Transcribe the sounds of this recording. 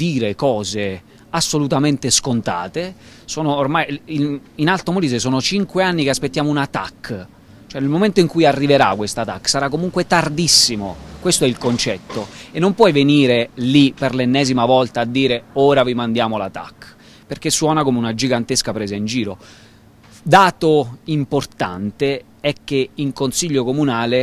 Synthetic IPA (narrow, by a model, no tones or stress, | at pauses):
d̪iːɾekɔːze | asːolut̪ament̪eskont̪a̰ːt̪e | soːnoːrmajininalt̪omoliːzesoːnot͡ʃiŋkweanːikeaspet̪ːjaːmounat̪a̰kː | t͡ʃoɛnelmoment̪oiŋkujarːiveɾa̰kwest̪at̪akːsaɾakːomuŋkwet̪ard̪isːimokwest̪oɛilkont͡ʃɛt̪ːoenːompwɔjveniːɾeliperlenːɛːzimavɔlt̪aːd̪ːiːɾeoːɾavimand̪jaːmola̰t̪a̰kː | perk̟esːwɔːnakomeunad͡ʒiɡant̪eskapɾɛːzaind͡ʒiːɾo | d̪aːt̪oimport̪a̰nt̪e | ɛkːeiŋkonsiʎːokomunaːle